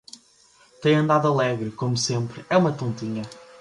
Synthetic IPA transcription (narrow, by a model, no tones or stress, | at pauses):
t̪ẽj̃ɐ̃nd̪aðuɐlˠɛɣɾɨkomusẽmpɾɛumɐt̪õnt̪iɲɐ